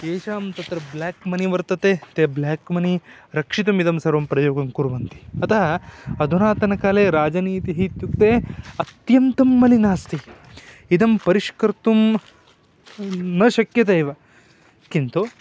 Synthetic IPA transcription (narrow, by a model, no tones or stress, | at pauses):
eːʃaːmt̪ɐt̪ɾɐblaːkmɐniʋɐɾt̪ɐt̪eːt̪eblaːkmɐniɾɐkʂit̪umid̪ɐmsɐɾʋɐmpɾɐjoːɡɐmkuɾʋɐnt̪i̥ɐt̪ʰɐɦɐɐd̪ʱunaːt̪ɐnɐkaːleːɾaːd͡ʒɐniːt̪iɦit̪jukt̪eːɐt̪jɐnt̪ɐmːɐlinaːst̪i | id̪ɐmpɐɾiʃkɐɾt̪um | nɐʃɐkjɐt̪̬ejʋɐ | kint̪u